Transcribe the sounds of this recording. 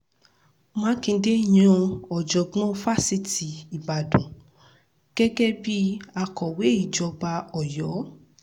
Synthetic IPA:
mãː˨˦kĩ˧˦de˦˨j̃ɔ̃˧ɔ˨d͡ʒɔ˨ɡ͡bɔ̃˦fa˦si˧˦ti˨i˨ba˨dũ˨ | ɡ̥ɛ˦ɡɛ˦bi˦a˧kɔ˨we˨˦i˦˨d͡ʒɔ˧ba˧ɔ˨jɔ˨˦

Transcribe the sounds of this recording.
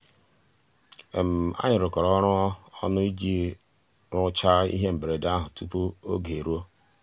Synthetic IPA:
e˨m̩˨a̰˦ɲɪ˨ɾʊ˨kɔ˨ɾɔ˦ɾʊ˦ɔ˦ɔ˦nʊ˦i˦d͡ʒi˦ | ɾʊ˦t͡ʃa˦ḭ˦ɦe˦m̩˨bɾe˨da˦ɦʊ˨tu˦pu˦o˦ɡe˨ɾu˦o˦

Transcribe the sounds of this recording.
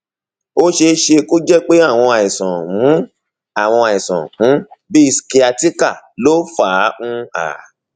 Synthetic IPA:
o˦ʃe˧ʃe˧ko˦d͡ʒɛ˦k͡pe˦a˦˨w̃ɔ̃˧a˨ĩ˨sɔ̃˨wũ˨˦ | a˦˨w̃ɔ̃˧a˨ĩ˨sɔ̰̃˨hũ˨˦bi˦i˦˧ski˧a˧ti˦ka˦˨lo˦faː˨˦ũ˦a̰˨

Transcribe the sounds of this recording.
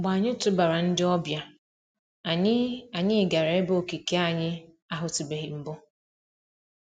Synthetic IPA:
ɡ͡ba˨a˨ɲɪ˦tʊ˦ba˨ɾa˨n̩˦dɪ˦ɔ˦bja˨ | a˨ɲɪ˦a˨ɲɪ˦ɪ˨ɡa˨ɾe˨˦bo˦o˨ki˨ke˦a˦˨ɲɪ˦ | a˨ɦʊ˨ti˨be˨ɦɪ˨m̩˦bʊ˦

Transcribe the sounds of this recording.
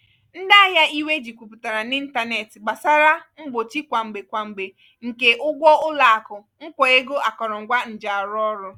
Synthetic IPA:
n̩˦da˦a˦ɦja˦i˦we˦d͡ʒi˨kʷu˨pʊ˨ta˨ɾa˨ni˦n̩˦ta˦ne˨tɪ˨ɡ͡ba˨sa˦ɾa˦ŋ̩˦ɡ͡bo˨t͡ʃi˦kʷa˨ŋ͡m̩˨ɡ͡be˨kʷa˨ŋ͡m̩˨ɡ͡be˨ | ŋ̩˨ke˨ʔʊ˦ɡʷɔ˦ʊ˦la˨a˨kʊ˨ | ŋ̩˦kʷɔ˨e˦ɡo˦a˨kɔ˨ɾɔ˨ŋ̩˨ɡʷa˦n̩˨d͡ʒa˨a˨ɾʊ˦ɔ˦ɾʊ˦

